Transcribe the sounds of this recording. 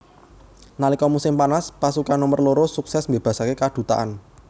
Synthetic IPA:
nalikɔmusɪmpanaspasukanomərloɾosuksɛsmbeb̥a̤sakekad̪̥ṳt̪a̰ʔan

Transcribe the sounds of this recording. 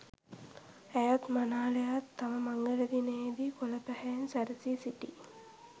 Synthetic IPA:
æjat̪manaːlejat̪ʰːaməmaŋɡələd̪ineed̪ikolɐpæhejnsæɾɐsisiʈi

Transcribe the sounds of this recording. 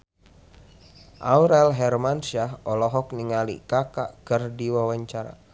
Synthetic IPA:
ʔauɾɛlɦɛrmansiaɦɔlɔɦɔk̚niŋalḭkaka̰ʔkərdiwawaɲt͡ʃaɾa̰

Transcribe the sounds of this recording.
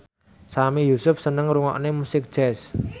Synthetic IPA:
samijusʊfsənəŋɾuŋɔ̰ʔnemusɪk̚d̥ʒ̥ɛs

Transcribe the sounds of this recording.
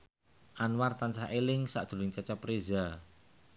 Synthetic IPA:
ʔanwart̪ansaʔelɪŋsa̰ʔd̪̥ṳlɪŋt͡ʃat͡ʃapɾeza

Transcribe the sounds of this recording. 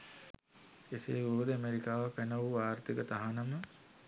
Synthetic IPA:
esḛːubəd̪əæmeɾikaːʋəpænəʋuʋaːrt̪ikət̪aɦanəmə

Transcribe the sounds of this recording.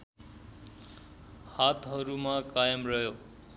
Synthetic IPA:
hat̪ɦʌɾumakajʌmrʌɦjo

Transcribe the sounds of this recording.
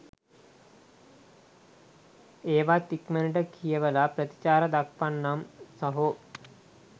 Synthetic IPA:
eːʋat̪ikmenʈəkʰijəʋəlaprət̪i̥t͡ʃaːɾəd̪akʋanːamsəɦo

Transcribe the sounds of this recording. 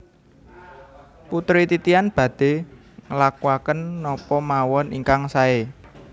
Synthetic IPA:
put̪ɾit̪it̪ianb̥ä̤d̪̥e̤ | ŋəlakuakənːɔpɔmawɔniŋkaŋsae

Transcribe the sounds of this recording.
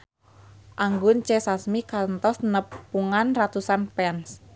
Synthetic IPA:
ʔaŋɡʊnt͡ʃɛsasmikant̪ɔsnəpːuŋanrat̪usanpɛns

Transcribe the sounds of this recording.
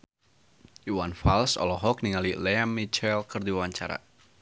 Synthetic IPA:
uwanfalsɔ̰lɔɦɔk̚niŋalilɛamːit͡ʃɛlkərdiwawaɲt͡ʃaɾa̰

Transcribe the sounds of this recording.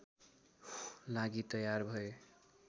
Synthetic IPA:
laɡit̪ʌjarbʱʌe

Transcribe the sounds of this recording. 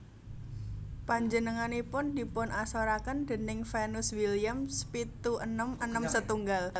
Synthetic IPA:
paɲd͡ʒənəŋanipʊnd̥ipʊnasoɾakənd̥̪ə̤nɪŋfenʊswilijamspit̪uʔənəmənəmsət̪uŋɡal

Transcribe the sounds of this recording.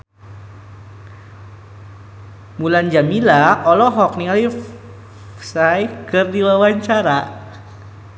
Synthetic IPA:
muland͡ʒamilaɔlɔɦɔk̚niŋali | sajkərdiwawaɲt͡ʃaɾa

